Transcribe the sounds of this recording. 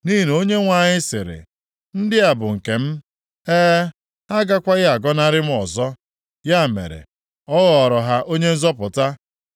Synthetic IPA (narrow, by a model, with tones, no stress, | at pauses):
ni˦˨n˨o˦ɲe˦ŋʷa˨ɲɪ˦sɪ̰˨ɾɪ̰˨ | n̩˦dɪ˦a˨bʊ˨ŋ̩˨ke˨m̩˦ | eː˦ | a˦ɡa˦kʷa˦ɣa˨ɡɔ˦na˦ɾɪ˦m̩˦ɔ˨zɔ˦ | ja˦˨mḛ˨ɾḛ˨ | ɔ˦ɣɔ˨ɔ˨ɾɔ˨ɦa˦ʔo˦ɲe˦n̩˦zɔ˦pʊ˨ta˦